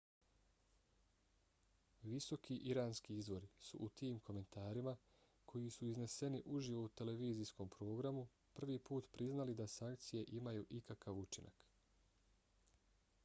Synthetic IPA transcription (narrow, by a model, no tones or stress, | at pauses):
ʋiso̞kiʔiɾaːnskiizʋo̞ɾisṵʔut̪iːmkʰo̞me̞nt̪aːɾima | kʰo̞jisuizne̞se̞niʔuʒiʋo̞ut̪e̞leʋiːzisko̞mpɾo̞ːɡɾamu | pr̩ʋiːpuːt̪pɾiznalid̪asaŋkt̪sije̞ʔimajuːʔikakaʋut͡ʃinʔa̰k